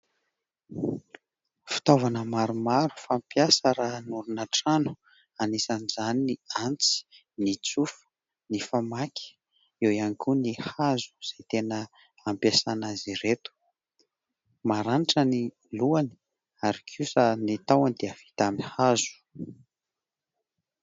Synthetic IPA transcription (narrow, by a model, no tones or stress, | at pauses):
fi̥t̪ovanəmaɾumaɾu̥fampjasəɾanuɾunaʈ͡ʂanu̥ | anisanizaniniant͡si̥ | nit͡sufə̥ | nifamakʲʰi̥ | ewianikʲunihazu̥z̥et̪enə | ampjasanaziɾet̪u̥ | maɾaniʈ͡ʂəni | luani̥ | aɾikʰusanit̪awanid̪eəv̥i̥t̪aminhazu̥